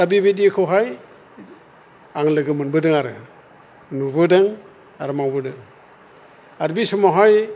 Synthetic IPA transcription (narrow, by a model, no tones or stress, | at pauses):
abibidikʰɯwɦaj | aŋlɯɡɯmɯnbɯdɯŋaɾɯ̰ | nuβɯdɯŋ | aɾɯmawbɯdɯŋ | aɾbisɔmaɦaj